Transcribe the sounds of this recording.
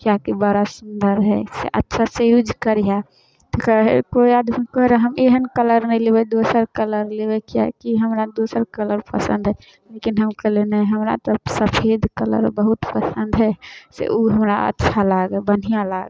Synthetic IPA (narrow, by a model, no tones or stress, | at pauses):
kjakibəɾasund̪əɾɦɛ̰sḛʔə̰tːʃʰasəjud͡ʒkəɾja | t̪kəɦekoiad̪kɔɦɾaɦəmeɦənkələɾnɛɪlebɛd̪osəɾkələɾlebɛkja̰kiɦəmɾad̪osəɾkələɾpəsə̰̃nd̪ɦɛ | lekinɦəmkəɦlenɛɦəmɾa̰t̪ɔsəpʰed̪ʱkələ̰ɾbəɦut̪pəsənd̪ɦɛsḛʔuɦəmɾa̰ə̰tːʃʰalaɡɛbən̤ijãla̰ɡ